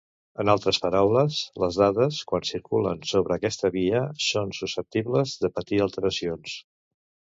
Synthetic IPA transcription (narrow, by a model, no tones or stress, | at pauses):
ənalˠt̪ɾəspəɾawləsləzðaðəskwansiɾkulə̰nsoβɾəːkɛst̪əβiəsonsusəp̚t̪iβləzðəpət̪iəlˠt̪əɾəsions